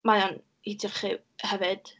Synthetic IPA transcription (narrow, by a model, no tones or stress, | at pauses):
majɔn | idʰɪχi | hɛvɨd̥